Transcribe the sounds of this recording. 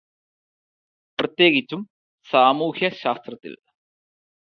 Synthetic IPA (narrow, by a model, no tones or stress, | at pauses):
prɐt̪je̞ːɡit͡ɕːum | saːmuːhjɐɕaːst̪rɐt̪ːḭl